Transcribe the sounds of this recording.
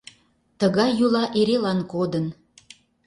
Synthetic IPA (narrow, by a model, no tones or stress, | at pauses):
t̪əɣɑjːulɑʔeɾelɑnkod̪ən